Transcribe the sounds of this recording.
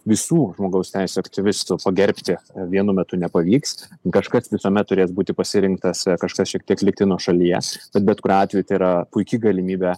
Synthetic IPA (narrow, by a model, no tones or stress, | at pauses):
ʋʲɪsuːʒmoːɡɐʊsʲt̪ʲɛɪsʲuɐkt̪ʲɪʋʲɪst̪ʊpɐɡʲɛɾʲpʲt̪ʲɪʋʲiɛnʊmʲɛt̪ʊnʲɛpɐʋʲiːkskɐʃkɐsʋʲɪsoːmʲɛt̪t̪ːʊɾʲeːsbuːt̪ʲɪpɐsʲɪɾʲɪŋk̚t̪ɐskɐʃkɐsʃʲiɛk̚t̪iɛklʲɪk̚t̪ʲɪnuɔʃɐlʲijɛ̰b̥ʲɛt̪bʲɛt̪kʊɾʲɑːt̪ʲʋʲɛjut̪ɐɪiɾɐpʊɪkʲɪɡɐlʲɪmʲiːbʲæː